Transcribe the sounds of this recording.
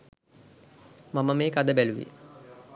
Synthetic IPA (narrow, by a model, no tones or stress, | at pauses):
maməmeːkad̪əbæluʋḭ